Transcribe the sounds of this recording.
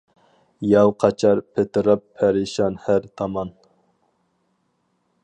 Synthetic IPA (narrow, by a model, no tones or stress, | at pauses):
jɑwqʰɑt͡ʃʰɑɾpʰet̪ɨɾɑpʰːæɾɪʃɑnhæɾt̪ʰɑmɑn